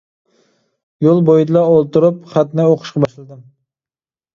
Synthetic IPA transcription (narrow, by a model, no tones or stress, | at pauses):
jolˠbojd̪ɪlˠɑolˠt̪uɾʊpχæt̪nɨoqʰʊ̥ʃqʰɑbɑʃlˠɨd̪ɪm